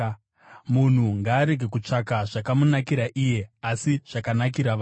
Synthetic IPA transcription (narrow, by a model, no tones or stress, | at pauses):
mun̤uŋɡaːɾe̞ɡe̞kut͡ʂakaʐakamunakiɾaʔije̞asiʐ̥akanak̬iɾaʋa